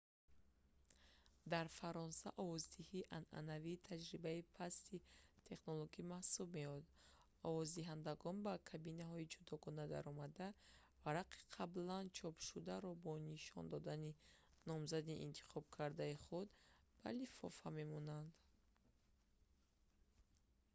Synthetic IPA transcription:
d̪aɾfaɾɔnsaʔɔvɔzd̪ihiʔanʔa̰naviːt̪ʰad͡ʒɾibaipʰast̪it̪ʰe̞χnoloɡimahsubmeɔd̪ | ɔvɔzd̪iɦand̪aɡɔnbakʰabinaɦɔid͡ʒud̪ɔɡɔnad̪a̰ɾɔmad̪a | vaɾaqi̥qʰablant͡ʃʰɔpʃud̪aɾɔbɔniʃɔ̰nd̪ɔd̪aninɔmzad̪iʔḭnt̪ʰi̥χɔb̚kʰaɾd̪aiχud̪b̥a̰lifɔ̰fame̞mɔnand̪

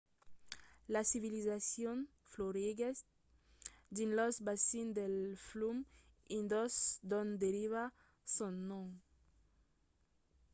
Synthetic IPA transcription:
lasiβilizasjon | floɾiɡe | d̪inlɔzbasind̪elflum | ĩnd̪ɔsd̪õnd̪eɾiβa | sonnːõŋ

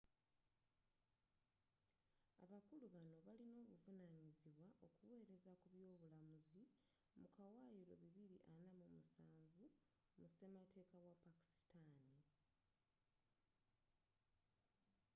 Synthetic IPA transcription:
a̰βakuluβano̞βalino̞ːβuvunaːɲiziβwaʔo̞kuwe̞ːɾe̞zakuβjo̞ːβulamuzi | mukawajiɾo̞̰βiβiɾiʔanamumusaːɱvu | muse̞mate̞ːkawapaki̥si̥tani

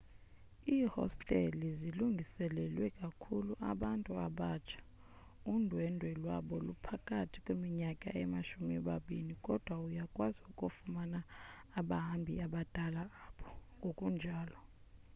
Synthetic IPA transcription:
iːhɔ̰stʼɛliziluŋɡʱisɛlɛlwɛkʼakʰuluʔa̰ɓantʼua̰ɓat͡ʃʰḁ | undʱwɛndʱwɛlwaɓɔlupʰakʼatʰi̥kʼwemiɲakʼa̰ʔɛmaʃumiɛɓaɓinikʼɔd̥ʱwaujakʼwaziukʼufumanaːɓaɦambʱḭaɓad̥ʱʼalaːɓɔŋɡʱokʼund͡ʒʱaːlɔ

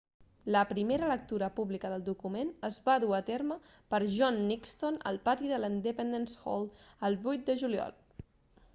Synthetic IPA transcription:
ləpɾimeɾələk̚t̪uɾəpuβlikəðəlˠd̪ukumenəzβaðuət̪eɾmə | pəɾʒɔnːikst̪onə̰lˠpat̪iðəlind̪əpɛnd̪ensxo̰lˠəlˠβujt̪̚d̪əʒuliɔ̰lˠ

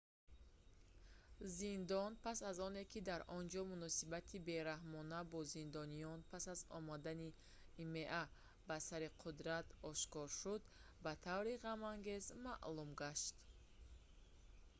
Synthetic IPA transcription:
zind̪ɔnpʰasazɔne̞kʰid̪aɾʔɔnd͡ʒɔmunɔsibat̪ʰibe̞ɾahmɔnabɔzind̪ɔnijɔnpʰasazɔ̰mad̪aniː | meʔa | basaɾiqʰud̪ɾat̪ɔʃkɔɾʃud̪ | bat̪ʰavɾiʁamaŋɡe̞zmaʔlumɡaʃt̪

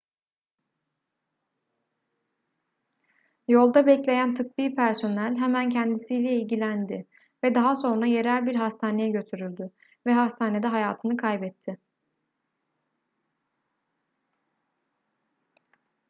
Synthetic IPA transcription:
jo̞lˠd̪abɛclʲe̞jænt̪ʰɯk̚biːpʰæɾso̞nælʲɦɛmæncʰɛnd̪isijlʲɛilʲɟilʲænd̪ɪ | vɛd̪aɦaso̞nɾaje̞ɾælʲbiɾɦast̪ʰaːne̞jɛɟø̞t̪ʰyɾylʲd̪y | vɛɦast̪ʰaːne̞d̪ɛɦajaːt̪ʰɯnɯkʰajbɛt̪ʰːɪ

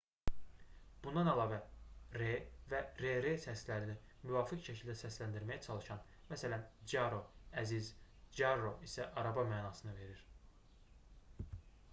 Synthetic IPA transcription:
b̥und̪ɑnælˠɑːvæɾevæɾeɾesæslæɾini | myvɑːficʃæcʰild̪æsæslænd̪iɾmæjæt͡ʃʰɑlˠɯʃɑn | mæsælænd͡ʒɑɾo̞æziz | d͡ʒɑɾo̞isæʔɑɾɑbɑmæːnɑːsɯnɯve̞ɾiɾ̥

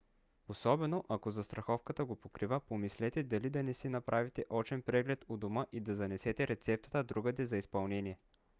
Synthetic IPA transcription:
osɔbɛnoʔɐkozɐst̪ɾɐxɔfkət̪əɡopokɾivəpomislɛt̪ɛd̪ɐlid̪ɐnɛsinɐpɾʔavit̪ɛʔɔt͡ʃɛnpɾɛɡlɛt̪od̪oməʔid̪ɐzɐnɛsɛt̪ɛɾɛt̪sɛp̚t̪ə̥t̪əd̪ɾuɡəd̪ɛzɐispɐlˠnɛnʲiɛ

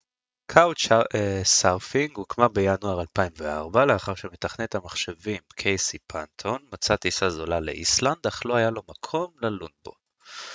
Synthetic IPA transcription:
kʰawt͡ʃesaʁfiŋɡukmabejanuaʁalpaimvea̰ʁbaleaχaʁʃemet̪aχnet̪hamaχʃevimkʰejsipʰant̪ʰonmat͡sat̪isazolalḛʔisland̪aχlo̞hajalo̞makʰo̞mlelunbo̞̰

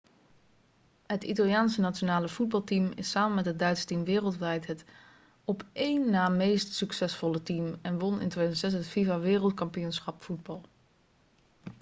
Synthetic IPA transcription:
ɦətitalˠijaːnsənat͡ʃonaːləfud̚bɑlˠtimɪ̰saːmənmɛtɦət̚dœɥtsə̥timʋɪːrəlˠtʋɛjtɦət | ɔpejnːaːmejstsyksɛsfɔlətimɛnʋɔnɪ̰ntʋedzəntsɛs̬ɦətfivaʋɪːrəlˠtkɑmpijunsχɑpfud̚bɑlˠ

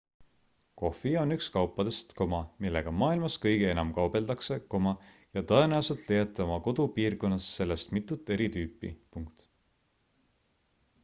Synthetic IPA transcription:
ko̞fio̞nykskɑwpːˑɑd̪̥e̞st̪ko̞mɑmilːe̞ɡ̥ɑmɑːilmɑskɤjɡee̞nɑmkɑwbe̞ld̪̥ɑkseko̞mɑ | jɑt̪ɤe̞næuselt̪lejɑt̪ːˑeo̞mɑko̞d̪̥upiːrko̞nːɑsːe̞lːest̪mit̪ːˑut̪ːˑe̞ɾit̪yːpːˑḭpuŋkt̪

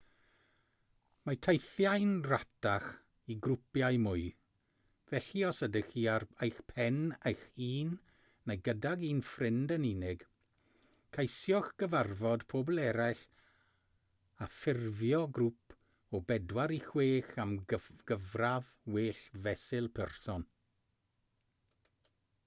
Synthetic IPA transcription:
matʰajθjajnrataχ | iɡrʊpjajmʊɨ | vɛɬiɔsədəxiːarejxpʰɛnejxiːnː | ejɡədaɡiːnfrɪndəniːnɪɡ̥ | kʰajsjɔxɡ̥əvarvɔdpʰoblˠɛɾaɬ | afɪrvjɔɡrʊpʰ | ɔbɛdwaɾixweːxaməɡ̥əvrað | weːɬvɛsɪlˠpʰɛrsɔn

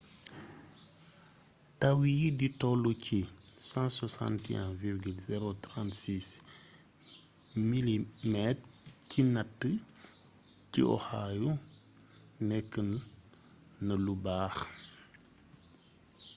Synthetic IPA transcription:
tawiditɔlucʰisɑ̃ːswasã̰ntɛ̰̃viɾɡylzɛɾotɾãntsis | milimɛtcʰinatːə | cḭʔɔ̰haːju | nɛkːənː | ɐlubaːx

